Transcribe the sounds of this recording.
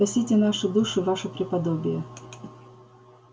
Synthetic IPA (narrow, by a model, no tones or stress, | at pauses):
ɐsʲitʲɪnaʂɨd̪uʂɨvaʂɨpɾʲɪpɐd̪obʲɪjə